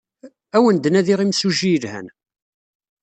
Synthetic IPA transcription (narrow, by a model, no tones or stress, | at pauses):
æwənd̪næðiʁimsuʒijlhæ̰n